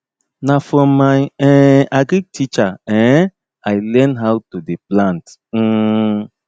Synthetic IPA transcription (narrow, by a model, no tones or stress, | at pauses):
nafɾɔmːajɛaɡɾiɡ̚tʰit͡ʃaɛ̃ | ajlɛnɦawtodeplãnt̩ː